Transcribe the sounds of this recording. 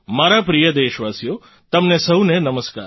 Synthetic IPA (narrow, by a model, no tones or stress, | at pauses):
maːɾapɾijəd̪eːʃʋasijo | t̪ɐmnesəɦũnenəməska̰ːɾ